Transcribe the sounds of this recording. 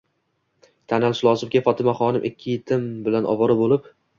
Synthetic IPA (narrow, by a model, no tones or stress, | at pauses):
t̪ʰanalʃɪlˠɒzɪm̚kʲafɒt̪ʰɪmaχɒnɪmʔɪkʲʰːɪjɪt̪ʰɪmbɪlanʔɒ̰vɒɾɪbolɪp